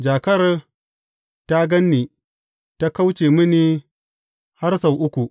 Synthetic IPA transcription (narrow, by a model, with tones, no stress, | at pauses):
d͡ʒaː˨kɐ˦r | ta˦ɡɐ˦nːiː˨ | ta˦ka˦wt͡ʃeː˨mɪ˦ni˦ | ha˦rsa˨wʔʊ˦kʷu˨